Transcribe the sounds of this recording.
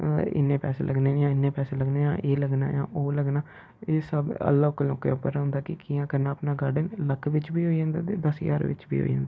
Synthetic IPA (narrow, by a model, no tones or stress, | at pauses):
ɪ̰nːẽːpɛːsḛːlʔəɡneːnjãːɪnːẽːpɛːseːləɡneːjãːʔeːləɡna̰ːjã̰ːʔoːləɡnaː | eːsəbə̰lːaːʊkːloːkːḛːʊpːəɾːɦʊ̃nd̪aːkɪkijãːkəɾnaːəpnaːɡəɖənləkʰʋɪt͡ʃbiːɦoːiãːnd̪aːt̪eːd̪əsja̰ːɾʋɪ̰t͡ʃbḭːɦo̰ːiã̰ːnd̪iː